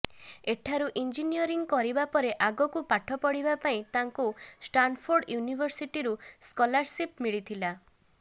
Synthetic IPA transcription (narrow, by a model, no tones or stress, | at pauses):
eʈʰaɾuʔind͡ʒinijɔɾiŋkɔɾibapɔɾeʔaɡɔkupaʈʰɔpɔɽibapaĩt̪aŋkusʈanpʰoɾɖjunibʱɔɾsiʈiɾuskɔlaɾsip̚miɭit̪ʰila